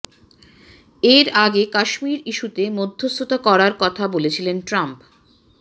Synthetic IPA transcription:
eɾaɡekaʃmiɾiʃut̪emod̪ʱːost̪ʰot̪akɔɾaɾkɔt̪ʰabolet͡ɕʰilenʈɾamp

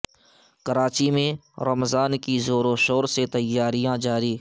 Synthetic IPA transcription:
kəɾaːt͡ʃimẽɾəmzaːnkizoːɾoʃoːɾset̪əjːaːɾijãd͡ʒaːɾiː

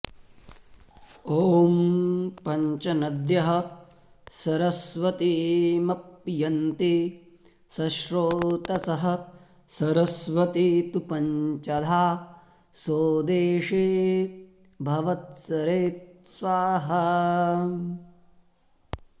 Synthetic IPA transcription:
oːmpɐɲt͡ʃɐnɐd̪jɐɦɐ | sɐɾɐsʋɐt̪imɐp̚jɐnt̪i | sɐʃɾoːt̪ɐsɐɦɐ̆ | sɐɾɐsʋɐt̪it̪upɐɲt͡ʃɐd̪ʱaː | soːd̪eːʂeː | bʱɐʋɐt̪̚sɐɾeːt̪sʋaːɦɐ

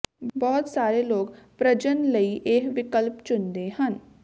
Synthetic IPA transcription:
bɔːt̪saːɾeloːɡpɾəd͡ʒənləiʔeːɦʋɪkəlpt͡ʃʊnd̪ehən

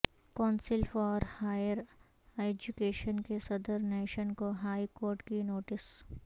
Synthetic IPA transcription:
kɔ̃ːnsɪlfɔːɾhaːjəɾ | eːd͡ʒukeːʃənkesɐd̪əɾneːʃənkoɦaːikoːɾʈkinoːʈɪs

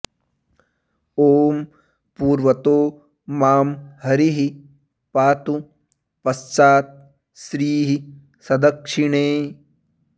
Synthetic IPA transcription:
oːm | puːɾʋɐt̪oː | maːmhɐɾiɦi | paːt̪u | pɐst͡ʃaːt̪̚ | sɾiːɦi | sɐd̪ɐkʂiɳeː

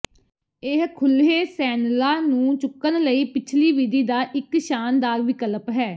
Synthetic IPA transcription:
ɪɦkʰʊlɦeːsɛːnlaːnũːt͡ʃʊkːənləiːpɪt͡ʃʰliːʋid̪iːd̪aːʔɪkʃaːnd̪aːɾʋɪkələpɦɛː

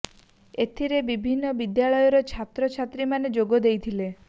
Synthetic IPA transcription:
et̪ʰiɾebibʱinːɔbid̪jaɭɔjɔɾɔt͡ʃʰat̪ɾɔt͡ʃʰat̪ɾimaned͡ʒoɡɔd̪ejt̪ʰile

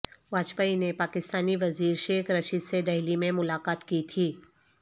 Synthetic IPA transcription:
ʋaːt͡ʃpainepaːkɪst̪aːniʋɐziːɾʃeːkʰɾɐʃid̪sed̪ɐɦlimẽmʊlaːqaːt̪kit̪ʰiː

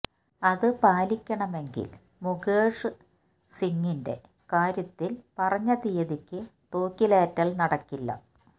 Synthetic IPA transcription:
ɐðɨpaːlikʲːɐɳɐme̞ŋɡḭl | muɡeːʂɨ | siŋːinde̞̰ | kaːɾjɐt̪ːilpɐrɐɲːɐðijɐðikʲːɨt̪o̞ːkːileːtːɐlnɐɽɐkːilːɐ̰

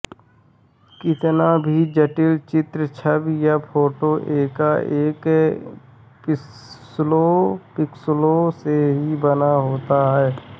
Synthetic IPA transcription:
kɪt̪nabʱid͡ʒəʈɪlt͡ʃɪt̪ɾət͡ʃʰəbjapʰoːʈoʔeːkaeːk | pɪslopɪksloseɦibənaɦoːt̪aɦɛː

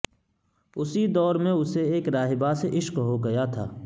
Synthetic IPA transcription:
ʊsid̪ɔːɾmẽʊseeːkɾaːɦɪbaseʔɪʃqɦoɡɐjat̪ʰa̰ː

